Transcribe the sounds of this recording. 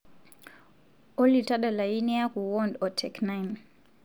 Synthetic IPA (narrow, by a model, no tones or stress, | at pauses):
ɔlitaɗalainiakuwɔndɔtʰɛknajn